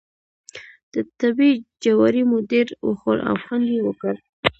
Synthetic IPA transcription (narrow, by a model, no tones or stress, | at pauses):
d̪̥ət̪abid͡ʒawaɾimʊd̪iɾwəxoɾa̰fhɑnjewəkəɾ